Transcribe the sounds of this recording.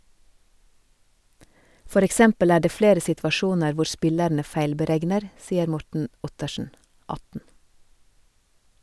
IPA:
ˈfɔɾ ɛkˈsɛmpəl ˈæː ˈɖeː ˈfleːɾə sɪtʋɑˈʃuːnəɾ ˈʋʊ ˈʃpɪlæɳə ˈfæɪlbəˌɾɛɡnəɾ ˈsiːəɾ ˈmɔʈɳ̩ ˈʊtəʃɳ̩ ˈɑtn̩

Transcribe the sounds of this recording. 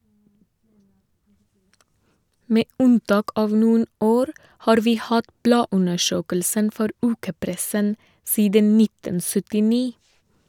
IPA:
ˈmeː ˈʉnˌtɑːk ˈɑːʋ ˈnuːən ˈoːɾ ˈhɑːɾ ˈʋiː ˈhɑt ˈblɑːˌʉnəˌʃøːkəlsən ˈfɔɾ ˈʉːkəˌpɾɛsən ˈsiːdən ˈnɪtən sʏtɪˈniː

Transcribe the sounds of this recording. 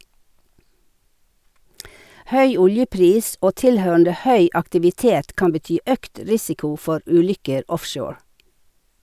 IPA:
ˈhœʏ ˈʊljəˌpɾiːs ˈoː ˈtɪlhøːɳ̩də ˈhœʏ ɑktɪʋɪˈteːt ˈkɑm bəˈtyː ˈœkt ˈɾɪsɪkʊ ˈfɔɾ ˈʉːˌlʏkəɾ ˈɔfˌʃoːɹ

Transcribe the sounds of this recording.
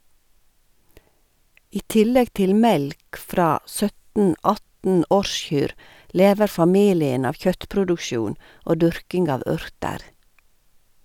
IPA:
ˈiː ˈtɪlɛɡ ˈtɪl ˈmɛlk ˈfɾɑː ˈsœtn̩ ˈɑtn̩ ˈɔɾˌʃçyːɾ ˈleːʋəɾ fɑˈmiːlɪən ˈɑːʋ ˈçœtpɾʊdʊkˌʃjuːn ˈoː ˈdʉɾkɪŋɡ ˈɑːʋ ˈʉɾtəɾ

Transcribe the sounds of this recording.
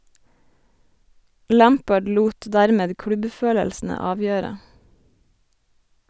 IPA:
ˈlæːmpəɖ ˈluːt ˈdæːɾmeːd ˈkɽʉbˌføːləlsn̩ə ˈɑːʋjøːɾə

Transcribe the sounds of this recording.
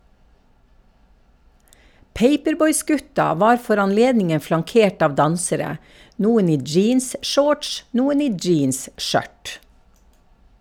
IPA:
ˈpeɪpəɾˌbɔʏˌsɡʉtɑ ˈʋɑːɾ ˈfɔɾ ɑnˈleːdnɪŋə flɑŋˈkeːʈ ˈɑːʋ ˈdɑnsəɾə ˈnuːən ˈiː ˈd͡ʒiːnsˌʃoːʈʃ ˈnuːən ˈiː ˈd͡ʒiːnsˌʃœʈ

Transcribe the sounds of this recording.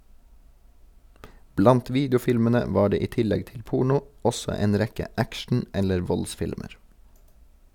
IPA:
ˈblɑnt ˈʋiːdjʊˌfɪlmənə ˈʋɑː ˈɖeː ˈiː ˈtɪlɛɡ ˈtɪl ˈpuːɳʊ ˈɔsɔ ˈeːn ˈɾɛkə ˈækʃɳ̩ ˈɛləɾ ˈʋɔlˌsfɪlməɹ

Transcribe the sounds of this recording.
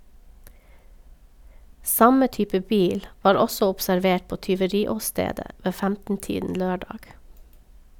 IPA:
ˈsɑmə ˈtyːpə ˈbiːl ˈʋɑːɾ ˈɔsɔ ɔpsæɾˈʋeːʈ ˈpoː tʏʋəˈɾiːɔˌsteːdə ˈʋeː ˈfæmtn̩ˌtiːdn̩ ˈløːˌɖɑːɡ

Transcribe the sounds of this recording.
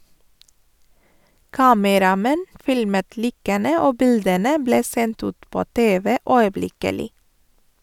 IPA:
ˈkɑːməɾɑˌmɛn ˈfɪlmət ˈliːkənə ˈoː ˈbɪldənə ˈbleː ˈsɛnt ˈʉːt ˈpoː ˈteːʋə ˈœʏəˌblɪkəlɪ

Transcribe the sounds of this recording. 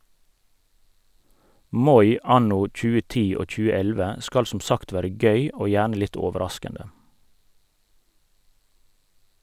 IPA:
ˈmɔʏ ˈɑnʊ ˈc͡çʉːə ˈtiː ˈoː ˈc͡çʉːə ˈɛlʋə ˈskɑl ˈsʊm ˈsɑkt ˈʋæːɾə ˈɡœʏ ˈoː ˈjæːɳə ˈlɪt ˈɔʋəɾɑskəndə

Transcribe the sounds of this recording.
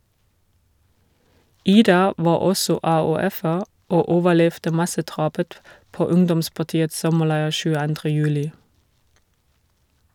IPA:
ˈiːdɑ ˈʋɑː ˈɔsɔ ɑːʉːˈɛfəʁ ˈoː ˈoːʋəˌlɛftə ˈmɑsəˌdʁɑːpət ˈpoː ˈʊŋdɔmspɑˌtiːəts ˈsɔməˌlæɪ çʉːəˈɑndʁə ˈjʉːlɪ

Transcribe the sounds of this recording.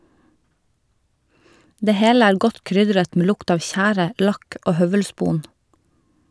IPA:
ˈdeː ˈheːl ˈæːɾ ˈɡɔt ˈkɾʏdɾət ˈmeː ˈlʊkt ˈɑːʋ ˈçæːɾə ˈlɑk ˈoː ˈhœʋəlˌspuːn

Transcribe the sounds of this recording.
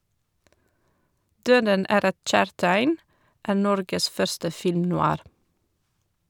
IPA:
ˈdøːdən ˈæːɾ ˈɛt ˈc͡çæːɹtæɪn ˈʔæːɾ ˈnɔɾɡəs ˈfœɹstə ˌfɪlmnʊˈɑːɾ

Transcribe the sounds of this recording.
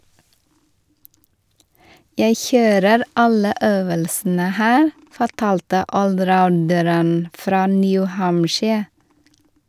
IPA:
ˈjæɪ ˈçøːɾəɾ ˈɑlə ˈʔøːʋəlsn̩ə ˈhæːɾ fɔˈʈɑːltə ʔɔlˈɾaʊndəɾən ˈfɾɑː ˈnjʉ ˈhɑmʃɪ

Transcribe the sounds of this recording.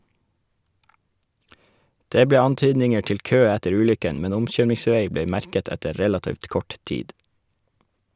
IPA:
ˈdeː ˈbleː ˈɑnˌtyːdnɪŋə ˈʈɪl ˈkøː ˈætəɾ ˈʉːlʏkən ˈmɛn ˈʊmˌçøːmɪŋˌsʋeɪ ˈbeː ˈmæɾkət ˈɛtə ˈɾɛlɑtiːʋt ˈkɔʈ ˈtiːd

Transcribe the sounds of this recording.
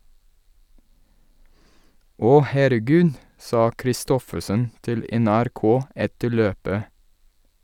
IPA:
ˈɔ hæɾəˈɡʉːd ˈsɑː kɾɪˈstɔfəsən ˈtɪl ɛnæɾˈkoː ˈɛtə ˈɭøːpə

